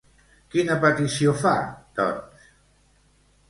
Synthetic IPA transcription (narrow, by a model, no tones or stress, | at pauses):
kinəpət̪isiofa̰t̪ɔ̰s